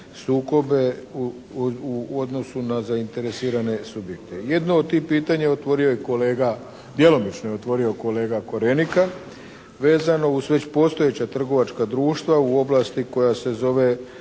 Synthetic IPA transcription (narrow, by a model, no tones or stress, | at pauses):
suːko̞be̞u | uod̪no̞sunazaint̪e̞ɾesiːɾane̞subje̞kt̪e̞jed̪nood̪̚t̪ihpiːt̪aɲaot̪ʋo̞ɾio̞jeko̞leːɡa | d̪je̞lˠo̞mit͡ʃnojeot̪ʋo̞ɾio̞ko̞leːɡako̞ɾenika | ʋe̞ːzano̞uzʋe̞t͡ɕpo̞ːst̪o̞je̞t͡ɕat̪r̩ɡo̞ʋat͡ʃkad̪ɾuːʃt̪ʋauo̞blˠast̪iko̞jase̞zo̞ʋe̞